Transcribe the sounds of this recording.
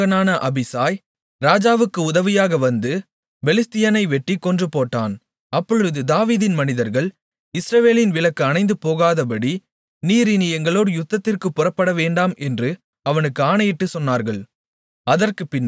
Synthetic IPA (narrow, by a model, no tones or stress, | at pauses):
ɐnaːnɐʔɐbɪsaːj | ɾaːd͡ʒaːʋɯkːɯʊðɐʋɪjaːɣɐʋɐnd̪ɯ | bɛlɪst̪ɪjɐnɐɪʋɛʈːikːɔndrɯpoːʈːa̰ːn | ɐpːɔɻɯðɯd̪aːʋiːðɪnmɐnɪðɐɾɣɐɭ | ɪsɾɐʋeːlɪnʋɪɭɐkːɯɐnɐɪnd̪ɯpoːɣaːðɐpɐɽi | niːɾɪniɛŋɡɐɭoːɽɯjʊt̪ːɐt̪ːɪrkɯpːʊrɐpːɐɽɐʋeːɳɖaːmɛndrɯ | ɐʋɐnɯkːɯaːnɐjɪʈːɯsɔnːaːɾɣɐɭ | ɐðɐrkɯpːɪn